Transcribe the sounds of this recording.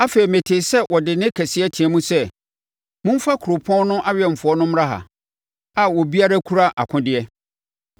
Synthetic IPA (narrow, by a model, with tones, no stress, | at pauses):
a˦fe˨ɾi˨mɛ̃˨tʰe˨sɛ˦wʔɔ˨dɪ˨nɪ̃˦kʰɛ˨sɪ˦ɛ˦tʰĩ˨ɛ˨mũ˦sɛ˦ | mʊ̃˦m̩˦fa˦kʰʊ˨ɾo˨pʰɔ̃˦n˦nʊ̃˦ʔa˦ɥɛ˨m̩˨fʊ˨ɔ˦nʊ̃˦m˦ɾa˦ɦa̰˨ | a˨wɔ˨bi˦a˦ɾa˦kʰu˦ɾa˦ʔa̰˨kʰʊ̃˦dɪ˦ɛ˦